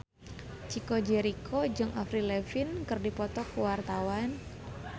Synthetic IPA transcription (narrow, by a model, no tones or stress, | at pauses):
t͡ʃikod͡ʒeɾikʰod͡ʒɨŋʔafɾilɛfinkɨrdipɔt̪ɔkuwart̪awan